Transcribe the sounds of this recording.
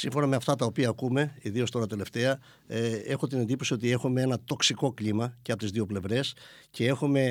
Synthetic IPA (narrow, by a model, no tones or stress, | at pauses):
siɱfo̞nɐme̞ɐft̪ɐt̪ɐopiɐːkume̞iðio̞st̪o̞ɾɐt̪e̞le̞ft̪e̞ɐ | e̞xo̞t̪̬inend̪iposio̞t̪̬ie̞xume̞e̞nɐt̪o̞ksiko̞klimɐceɐpot̪izðio̞ple̞vɾe̞sce̞e̞xume̞